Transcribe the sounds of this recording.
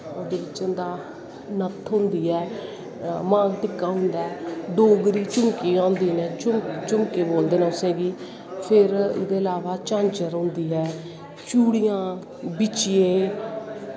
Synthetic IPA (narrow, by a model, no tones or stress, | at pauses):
od̪eːbɪt͡ʃənd̪aː | nət̪ʰːɦʊ̃nd̪iːɛː | mãːɡʈɪkːaːɦʊ̃nd̪aɛɖoːɡɾiːt͡ʃʊmkiːãːnd̪iːnɛ̃ːt͡ʃʊmt͡ʃʊmkeːboːld̪eːnɛ̃ːʊsẽːɡiː | pʰɪɾɪ̰d̪eːəlaːʋaːt͡ʃãːɲt͡ʃəɾõːnd̪iːɦɛː | t͡ʃuːɽiːjãː | bɪt͡ʃijeː